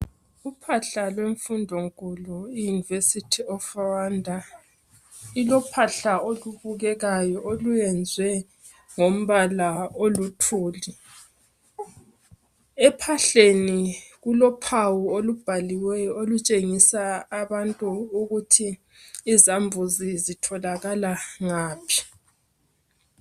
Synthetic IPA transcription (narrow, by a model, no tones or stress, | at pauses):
upʰaɬalweɱfundʱoŋkʼulɔijunivesitʰiɔfawandʱa | ilɔpʰaɬaoluβuɣɛɣajɔolujɛnd͡zʱwɛ | ŋom̩βalaolutʰuːli | ɛpʰaɬeniɣulɔpʰawuolub̥ʱaliwɛjɔolut͡ʃʼeŋisaːβantʼuːɣutʰiː | zambʱuzizitʰɔlaɣalaŋaːpʰi̥